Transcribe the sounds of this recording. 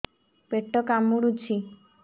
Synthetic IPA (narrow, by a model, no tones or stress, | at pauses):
peʈːɔkamuɽut͡ʃʰi